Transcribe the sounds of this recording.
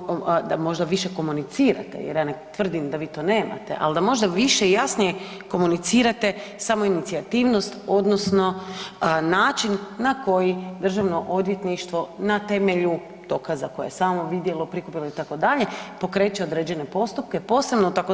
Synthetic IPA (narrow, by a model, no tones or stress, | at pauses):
d̪amo̞ʒd̪aʋiʃeko̞munit̪siːɾa̰t̪ḛjeɾjanet̪ʋr̩d̪imd̪aʋiːt̪o̞ːne̞ːma̰t̪e̞̰ʔa̰ld̪amo̞ʒd̪aʋiʃeijasnije | ko̞munit̪siːɾat̪e̞samo̞init̪siat̪iːʋno̞st̪o̞d̪nosno̞ | naːt͡ʃinːako̞jid̪r̩ʒaʋno̞ʔo̞d̪jet̪niʃt̪ʋo̞nat̪e̞me̞ʎu | d̪̥o̞kazako̞jḛjesaːmo̞ʋid̪je̞lo̞pɾikupilo̞it̪ako̞d̪aʎe̞po̞kɾe̞ːt͡ʃeod̪ɾed͡ʑe̞ne̞po̞st̪up̚kepo̞ːse̞bnot̪ako